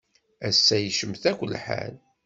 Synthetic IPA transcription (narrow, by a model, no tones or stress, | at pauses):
æsːæjəʃəmθækʷːəlːħa̰l